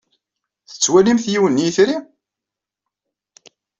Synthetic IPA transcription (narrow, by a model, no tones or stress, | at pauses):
θə̥t͡sːwælimθjiwənːijθɾi